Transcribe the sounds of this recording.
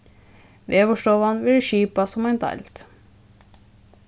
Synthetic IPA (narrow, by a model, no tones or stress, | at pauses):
ʋeːʋɔʃʈɔʋɑnʋɪlʃiːpɑsɔmæɪnt̪ʰɑ̰lt̪